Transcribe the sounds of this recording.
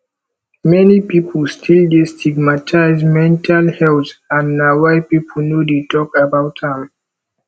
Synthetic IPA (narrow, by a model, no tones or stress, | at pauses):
mɛnipipʰəlstʰildestʰiɡmatʰaɪzmɛ̃ntʰalhɛltãnːawajpipʰəl̩nodetɔkabaʊtãm